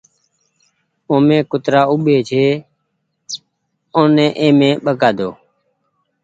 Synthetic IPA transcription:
oːmẽːkʊt̪ɾaːʊɓeːt͡ʃʰeː | õːnẽːʔẽːmẽːɓəkaːd̪oː

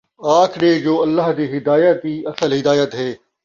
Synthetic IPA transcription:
aːkʰneːd͡ʒoːɐlːaːɦd̪iːɦɪd̪aːjət̪iːɐsəlɦɪd̪aːjət̪ɦeː

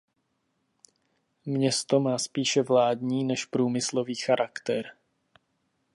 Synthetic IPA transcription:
mɲɛst̪o̞maːspiːʃɛvlaːdɲiːnɛʃpɾuːmɪslo̞viːxaɾʔakt̪ɛɾ

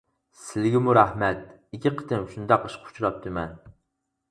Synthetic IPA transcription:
sɪlɡʲɪmʊɾahmat̪̚ | ɪkʲʰːɪqʰɨ̥t̪ɪmʃʊnd̪ɑqʰɨʃqʰʊ̥t͡ʃʰɾɒp̚t̪ʰɪman

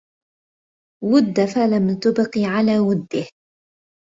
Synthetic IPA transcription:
wʊd̪ːafalamt̪ʊbqiːʕalaːwʊd̪ːɪh

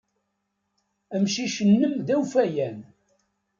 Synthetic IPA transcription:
əmʃiʃənːəmðæwfæjæn

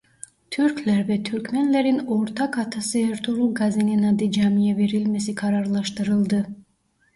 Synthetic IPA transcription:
t̪ʰyɾklʲæɾvɛt̪ʰyɾkʲmenlʲeɾinoɾt̪ʰɑkʰɑt̪ʰasɯeɾt̪ʰuɾulˠɡazininɑd̪ɯd͡ʒɑmijɛve̞ɾilʲme̞sikʰɑɾɑɾlˠɑʃt̪ɯɾɯlˠd̪ɯ

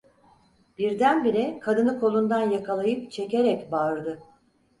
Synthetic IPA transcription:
b̥iɾd̪ænbiɾɛkʰad̪ɯnɯkʰo̞lˠund̪anjakʰalˠajɯpt͡ʃʰe̞ce̞ɾɛcbaɯɾd̪ɯ

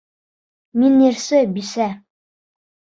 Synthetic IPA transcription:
minːiɾsɘbisæ

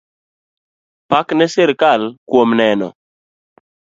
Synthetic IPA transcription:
paknɛsɪɾkalkwomnɛnɔ̰

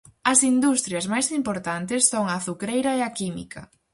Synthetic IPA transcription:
ɐsind̪ust̪ɾjɐzmajsimpoɾt̪ant̪ɪsːoŋɐːθukɾejɾɐeakimḭkʰɐ̰

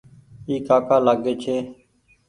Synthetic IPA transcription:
iːkaːkaːlaːɡeːt͡ʃʰeː

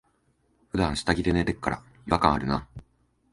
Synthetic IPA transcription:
ɸɯ̟d̪ãɰ̃ɕi̥t̪aɡʲid̪e̞net̪ekːaɾa̰ | iβakãɰ̃aɾɯ̟na

